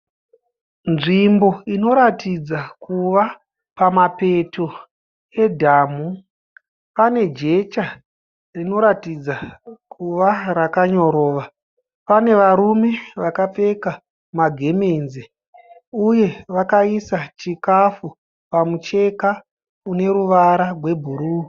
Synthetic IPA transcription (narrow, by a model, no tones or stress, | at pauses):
nʐimbo̞ino̞ɾatid͡zakuʋa | pamape̞tʰo | e̞dʱaːmu | pane̞d͡ʒe̞t͡ʃa | rino̞ɾatid͡zakʰuʋarakaɲo̞ɾo̞ːʋa | pane̞ʋaɾume̞ʋakap͡fe̞ka | maɡʱe̞me̞nze | uje̞ʋakaisat͡ʃikafu | pamut͡ʃe̞ka | une̞ɾuʋaɾarwe̞bʱuɾuː